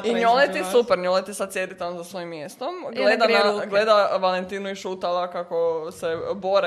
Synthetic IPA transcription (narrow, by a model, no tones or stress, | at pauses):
iɲolet̪issupeɾɲolet̪isad̪̚sjed̪it̪anzasʋojimːjest̪omɡled̪anaɡled̪aʋalent̪iːnuiʃuːt̪alˠakakoseboɾe